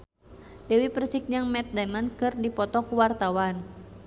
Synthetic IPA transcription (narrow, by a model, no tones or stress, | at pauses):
dɛwipərsik̚ɲɨŋmɛt̪̚damankɨrdipɔt̪ɔkuwart̪awan